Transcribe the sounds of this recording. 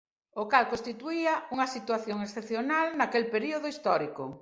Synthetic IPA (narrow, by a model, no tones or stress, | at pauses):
okalkõnst̪it̪uiɐuŋɐsit̪waθjoŋesθepθjonalnakelpeɾioðoist̪ɔɾiko